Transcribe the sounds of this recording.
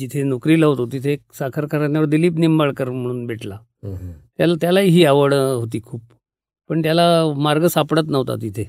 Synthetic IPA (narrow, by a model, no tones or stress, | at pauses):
d͡ʑit̪ʰenokɾiːlaɦot̪ot̪it̪ʰeksakʰəɾkʰaɾanjaʋəɾd̪iliːpnimbaɭkəɾm̤əɽ̃uːnbeʈla | t̪jalat̪jalaiɦiːaʋəɽɦot̪̬iːkʰuːp | pəɳt̪jalamaɾɡəsapɽət̪nəʋt̪a̰t̪it̪ʰe